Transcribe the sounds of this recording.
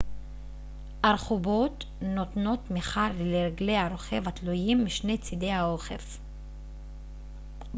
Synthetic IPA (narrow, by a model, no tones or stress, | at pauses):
ʔaɾχubot̪ | not̪no̞t̪miχaɾleleɾɡlejhaɾo̞χe̞vat̪lujimːiʃne̞t͡sid̪e̞jhaoχḛf